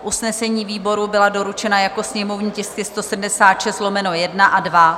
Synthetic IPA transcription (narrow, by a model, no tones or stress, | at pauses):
ʔusnɛsɛɲiːviːbo̞ɾubɪlado̞ɾut͡ʃɛnajako̞sɲɛmo̞vɲiːcɛskɪst̪o̞sɛdm̩dɛsaːt̪ʃɛst̪lo̞mɛno̞jɛdnaʔadva